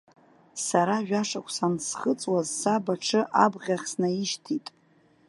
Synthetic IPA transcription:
saɾaʒᶣaʂakʷʰsansχət͡sʼwazːabaʈ͡ʂʰɨʔabʁʲaχʲsnaiʃtʰitʼ

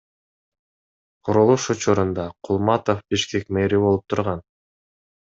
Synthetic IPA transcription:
qʰuɾulˠuʃut͡ʃuɾund̪ɑqʰʊlˠmɑt̪ofbiʃke̞kmeɾibolˠup̚t̪ʰuɾʁɑn

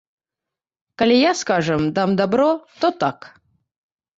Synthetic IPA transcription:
kalʲijaskaʐɨmd̪amd̪abɾot̪ot̪ak

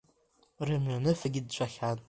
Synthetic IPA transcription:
rɨmɥanɨfaɡʲɪd̚t͡ɕʷʰʼaχʲanʼ

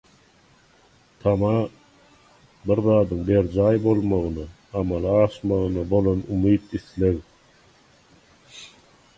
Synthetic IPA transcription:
t̪ʰɑmɑ | biɾðɑːd̪ɯŋbeɾd͡ʒɑːjbo̞lˠmɑʁɯnɯ | ɑmɑlˠiɑʃmɑʁɯnɯbo̞lˠonumiːt̪iθleɣ

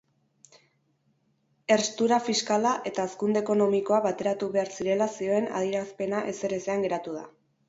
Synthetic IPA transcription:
e̞rst̪uɾafiskalaʔe̞t̪aːskund̪eko̞no̞miko̞aβat̪e̞ɾat̪uβe̞aɾsiɾe̞lasio̞e̞na̰ð̞iɾaspe̞naʔe̞se̞ɾe̞seaŋɡe̞ɾat̪uða̰

